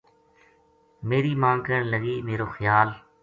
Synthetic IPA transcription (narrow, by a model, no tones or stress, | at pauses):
meːɾiːmãːŋkəɳləɡiːmeːɾoːxjaːl